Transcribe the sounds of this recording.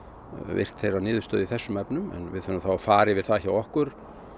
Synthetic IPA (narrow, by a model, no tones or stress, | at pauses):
vɪ̰r̥t̪θejranɪːðʏst̪œːðiθɛsːʏmɛpnʏmɛ̰nvɪðθœnʏθawafaːɾɪvɪð̥θaðçawɔhkʏɾ̥